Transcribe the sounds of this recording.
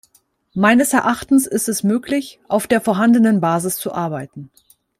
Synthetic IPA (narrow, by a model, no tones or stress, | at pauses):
maɪnəsɛɐʔaχtn̩sɪstɛsmøːklɪçʔaʊfd̥eːɐfoːɐɦandənənbaːzɪst͡suʔaɐbaɪtn̩